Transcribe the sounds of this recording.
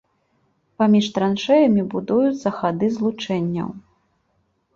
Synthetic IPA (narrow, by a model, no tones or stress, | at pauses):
pamʲiʂt̪ɾanʂɛjɐmʲibud̪ujut̪sːɐxad̪ɨzlˠut͡ʂɛnʲːɐ̰w